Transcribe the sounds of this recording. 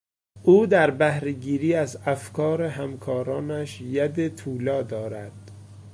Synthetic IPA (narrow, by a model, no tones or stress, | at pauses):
ʔuːd̪æɾbæhɾeɡiːɾiːæzæfkɒːɾeɦæmkʰɒːɾɒːnæʃjæd̪et̪ʰuːlɒːd̪ɒːɾæd̪̥